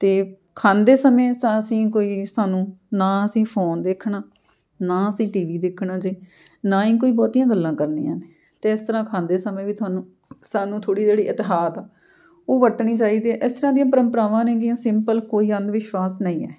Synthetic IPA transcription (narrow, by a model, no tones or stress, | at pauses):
t̪eː | kʰaːnd̪eːsəmẽːsaəsĩːkoːiːsaːnũːnãːəsĩːpʰoːnd̪ekʰɳaː | nãːəsĩːʈiːʋiːd̪ɪkʰɳaːd͡ʒeː | naːĩːk̬oːiːbɔːt̪ijãːɡəlːãːkəɾnḛːã̰ːne | t̪eːɪst̪əɾãːkʰãːnd̪eːsəmẽːʋiːt̪ʰʊaːnũː | saːnũːt̪ʰoːɽiːd͡ʒeːɽiːʔɪt̪ɪɦaːt̪aː | oːʋəʈɳiːt͡ʃaːiːd̪iːʔɪst̪əɾãːd̪ijãːpəɾəmpəɾaːʋãːnɛ̃ːɡijãːsɪmpəlkoːiːənd̪ʋɪʃʋaːsnəĩːɛ̰ː